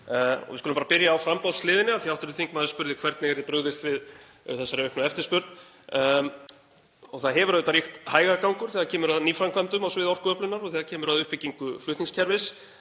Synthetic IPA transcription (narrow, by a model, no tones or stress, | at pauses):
ɔ̰ɣvɪskʏlʏmpaɾapɪɾjaːwfɾampawslɪːðɪnɪaθiawht̪ʏɾʏθiŋkmaːðʏspʏɾðɪkʰvɛɾt̪nɛɣɛɾðɪpɾœɣðɪst̪vɪð | θɛsːaɾɪœhknʏɛft̪ɪɾ̥spʏɾt̪n | ɔθaðɦɛvʏɾaðɪt̪aɾrixt̪haːjɣakawŋkʏɾ̥θɛːɣacʰɛːmʏɾaðniːfɾamkʰvamt̪ʏmawsvɪðɔfkʏœplʏnːaɾɔθɛːðacʰɛːmʏɾaðʏhpɪcːiŋkʏflʏht̪niŋscʰɛɾvɪs